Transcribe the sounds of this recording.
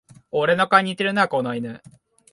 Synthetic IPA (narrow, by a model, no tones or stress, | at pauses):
oɾe̞nokaɲ̟it̪eɾɯ̟nakonoinɯ